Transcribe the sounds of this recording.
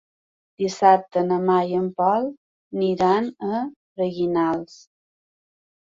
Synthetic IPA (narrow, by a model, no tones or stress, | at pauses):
d̪̥isap̚t̪ənəmajəmpɔlˠ | niɾanə | rəɣinalˠs